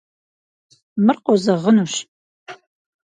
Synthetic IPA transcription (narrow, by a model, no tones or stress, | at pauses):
mɨrqozɐʁənuɕ